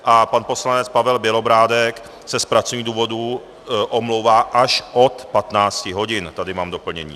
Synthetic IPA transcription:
ʔapanpo̞slanɛt͡spavɛlbjɛlo̞bɾaːdɛk | sɛspɾat͡sovɲiːɣduːvo̞du | ʔomlowvaːʔaʃʔo̞t̪pat̪naːt͡scɪɦo̞ɟɪnt̪adɪmaːmdo̞pl̩ɲɛɲḭː

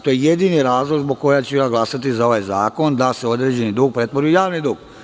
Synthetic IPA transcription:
t̪o̞jeje̞d̪iːniɾaːzlˠoɡzboɡ̚ko̞jat͡ɕejaɡlˠasat̪izao̞ʋajza̰ːko̞nd̪ase̞o̞d̪ɾe̞ːd͡ʑe̞nid̪uɡ̚pɾe̞t̪ʋoɾujujaːʋnid̪uɡ̥

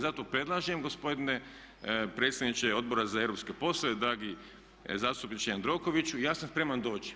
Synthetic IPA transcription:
zat̪opɾe̞d̪lˠaʒiemɡo̞spo̞d̪ine̞ | pɾet̪st̪ed̪nit͡ʃeo̞d̪̚bo̞ɾazaevɾo̞pske̞po̞slˠoʋe̞d̪ɾaːɡi | zaːst̪upnit͡ʃejand̪ɾo̞koʋit͡ʃujaːsanspɾe̞mand̪o̞ːt͡ʃi̥

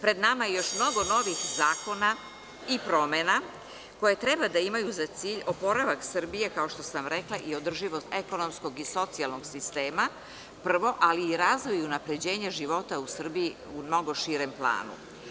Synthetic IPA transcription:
pɾe̞d̪namajejo̞ʃmno̞ɡo̞no̞ʋixzaːko̞na | ipɾo̞mena | ko̞je̞t̪ɾebad̪aimajuzat̪siːʎo̞po̞ɾaʋaksɨr̩bije̞kao̞ʃt̪o̞samɾe̞klaʔio̞d̪r̩ʒiʋo̞st̪eko̞no̞msko̞ɡiso̞t̪sialˠno̞ɡsist̪eːma | pr̩ʋo̞ʔaliːɾaːzʋo̞junapɾe̞d͡ʑe̞ːɲeʒiʋo̞t̪ausr̩bii | umno̞ɡo̞ʃiɾemplˠa̰ːnṵ

